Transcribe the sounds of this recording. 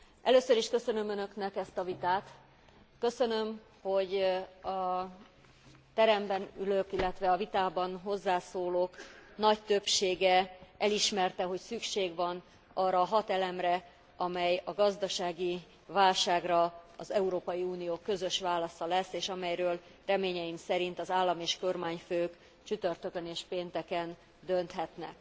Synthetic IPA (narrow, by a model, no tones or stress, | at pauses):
ʔɛløːsøɾiʃkø̞sø̞nø̞mønø̞knɛkɛst̪ɒvit̪aːt̪ | kø̞sø̞nø̞m | ho̞ɟɒ | t̪ɛɾɛmbɛnyløkilːɛt̪ʋɛɒvit̪aːbɒnɦo̞zːaːsoːloːknɒct̪ø̞pʃeːɡɛʔɛliʃmɛrt̪ɛɦo̞csykʃeːɡʋɒn | ɒːrɒːɦɒt̪ɛlɛmrɛ | ɒmɛjɒɡɒzd̪ɒʃaːɡi | vaːlʃaːɡrɒɒzɛuɾoːpɒjiuːnijoːkø̞zø̞ʃʋaːlɒsɒlɛsːeːʃɒmɛjrøːlrɛmeːɲɛjimsɛɾint̪ɒzaːlːɒmeːʃko̞rmaːɲføːk | t͡ʃyt̪ørt̪økøneːʃpeːnt̪ɛkɛn | d̪ø̞nt̪ɦɛt̪nɛ̰k